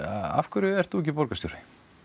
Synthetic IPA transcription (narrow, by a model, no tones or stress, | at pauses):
a̰fkʰʏɾʏɛr̥t̪θuɛc̬ːɪpɔɾkast̪owɾɪ